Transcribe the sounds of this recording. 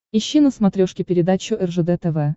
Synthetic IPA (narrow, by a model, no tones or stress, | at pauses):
ɪɕːinəsmɐt̪ɾʲoʂkʲɪpʲɪɾʲɪd̪at͡ɕːʊʔɛrʐɛd̪ɛt̪ɛvɛ